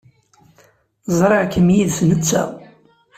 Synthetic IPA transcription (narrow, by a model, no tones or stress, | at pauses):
zˤɾˤeʁkːəmjiðθnət͡sːæ̰